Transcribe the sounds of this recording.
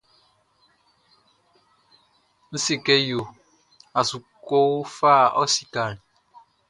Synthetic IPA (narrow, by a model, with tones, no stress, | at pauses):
n̩˦si˦kɛ˦jo˨ | a˨su˨ko˦wfa˦˨ɔ˦si˨ka˨l